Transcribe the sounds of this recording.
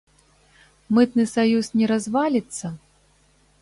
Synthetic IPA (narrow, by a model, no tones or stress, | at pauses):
mɨt̪nɨsajusnʲɛɾazvalʲit̪sːɐ